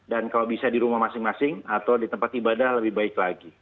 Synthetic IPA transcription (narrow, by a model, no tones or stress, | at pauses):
dankalawbisadiɾumahmasɪŋmasɪŋat̪awdit̪əmpat̪ibadahləbɪhbaɪklaɡi